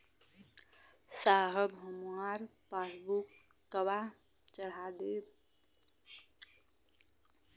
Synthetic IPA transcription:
saɦəbʱəmuaɾpasbukː | əβa | t͡ʃəɽad̪eb

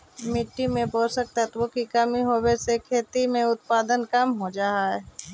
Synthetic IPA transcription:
mɪʈːimẽboːsək̚t̪ət̪ʋokikəmiɦoːwesekʰeːt̪imẽʊt̪̚paːd̪ənkəmɦod͡ʒaːɦaɛ

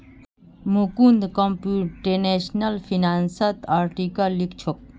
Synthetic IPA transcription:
mukund̪kompuʈeneɕnɐlfʰinaːnsɐt̪aːɾʈikɐlːikt͡ɕʰok̚

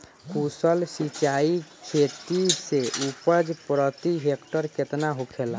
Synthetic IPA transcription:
kusəlsit͡ʃaːikʰet̪iseʔupəɾd͡ʒpɾət̪iɦekʈəɾkɪt̪naɦokʰela

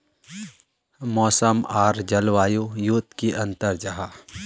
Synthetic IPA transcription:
mɔːsəmaːɾd͡ʒɐlʋaːjujut̪kiʔɐ̃nt̪əɾd͡ʒɐɦaː

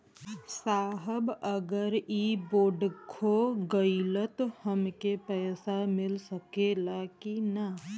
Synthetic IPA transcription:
saːɦəbəɡəɾiboːɖkʰoɡəɪlət̪həmkepɛːsamɪlsəkelakinə

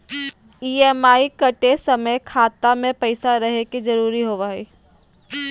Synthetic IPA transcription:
iːɛːmaːikɐʈesɐməjkʰaːt̪amẽpɐɪsaɾɐɦeked͡ʒɐɾuːɾiɦoːʋaːiː

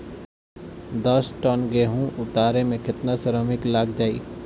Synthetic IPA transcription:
d̪ɔsʈɔːnɡeːɦũʔʊt̪aːɾemẽkɪt̪nasəɾəmɪklaːɡd͡ʒaːḭː

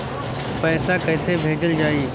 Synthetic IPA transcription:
pɛːsakɐ̃ɪsebʱeːd͡ʑəld͡ʑaːĩː

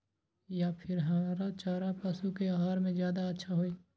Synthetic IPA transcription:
japʰɪɾɦɐmaːɾat͡ʃaːɾapɐsukeaɦaːɾmẽzjaːd̪aɐtːʃʰaɦoeː

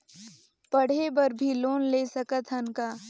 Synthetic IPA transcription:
pɐɽ̤ebɐɾbʱiloːnleːsɐkət̪ɦɐnkaː

